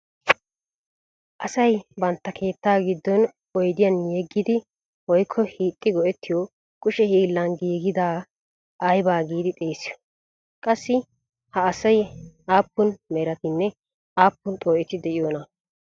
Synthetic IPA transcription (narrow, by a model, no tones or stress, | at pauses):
ʔɐsɐjbɐnt̪ːɐkʰe̞ːt̪ːaːɡɪd̪ːɔn | ɔjd̪ɪjɐnjeɡːɪd̪ɪ | wɔjkʰːɔhiːt̪ʼːɪɡɔʔɛt̪ːɪjɔ | kʼʊʃɛhiːlːɐnɡiːɡɪd̪aː | ʔɐjbaːɡiːd̪ɪt̪ʼeːsɪjɔ̥ | kʼɐsːɪ | hɐːsɐjaːpːʊnmɛɾɐt̪ɪnːɛ | aːpːʊnt̪ʼoːʔɪt̪ːɪd̪ɛʔɪjoːnɐ